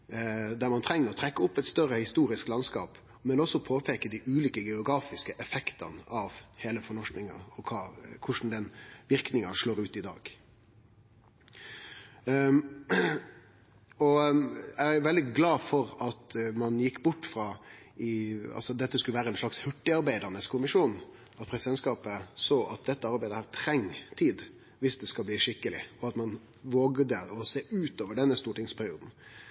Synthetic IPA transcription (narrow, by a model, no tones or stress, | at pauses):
d̪æɾmɑnt̪ʰɾɛŋnəɾɔt̪ʰɾɛkːəʊpːɛt̪st̪œɾəhɪst̪uːɾɪsklɑnskɑ̰ːp | mɛnɔsːɔpʰoːpʰeːkəd̪ɪʔʉːliːkəɡɛʊɡɾɑːfɪskəʔɛfɛkt̪ɑ̰nəʔɑʋheːləfɔnɔʂknɪŋɑ̰ɔkʰɑːkʰʊʂn̩d̪ɛnʋɪɾknɪŋɑʂloːɾʉːt̪ɪd̪ɑ̰ːɡ | ɔæʋɛld̪ɪɡlɑːfɔɾɑt̪mɑnjɪkːbʊʈːfɾɑː | ɪɑ̰lsɔd̪ɛt̪ːəskʉləʋæːɾəɛnʂɭɑkshʉʈːɪɑɾbæɪd̪əɾnəskʰʊmɪʂuːn | ɑt̪̚pʰɾɛsɪd̪ɛnskɑːpəsoːʔɑt̪̚d̪ɛt̪ːəɑɾbæɪd̪əhæːt̪ʰɾɛŋːt̪ʰiːd̪ | ʋɪsd̪ɛskɑlbliːʂɪkːəlɪ̰ɔɑt̪mɑn | ʋoːɡd̪əɔseːʔʉːt̪oːʋəɖɛnːəst̪uːʈɪŋspʰæɾɪuːd̪n̩